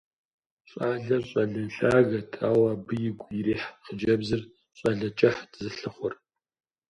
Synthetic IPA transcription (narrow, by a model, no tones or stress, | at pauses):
ɕʼaːɮɐɕʼɐɮɨnɬaːɣɐtʰaːwaːbɨjɪɡʷʼjɪɾiːħχəd͡ʒɐbzɨr | ɕʼɐɮɐt͡ʃʼɐħdzɨɬɨχʷʊr